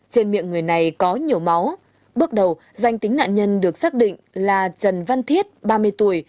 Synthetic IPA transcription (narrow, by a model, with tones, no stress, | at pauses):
t͡ɕe˧nmḭ˧˨əŋɨ˨˩əjna˨˩jkɔ˨˦ɲi˨˩əwma˨˦w | ɓɨ˦˥ək̚ɗə˨˩w | za˧jŋ̟t̪ï˨˦ŋ̟na̰ː˧˨nɲə˧nɗɨ˨˩ək̚saː˦˥k̚ɗḭ˧˨ŋlaː˨˩t͡ɕə˨˩nva˧nt̪ʰi˦˥ət̚ɓaː˧mɨ˧əjt̪u˧˩əj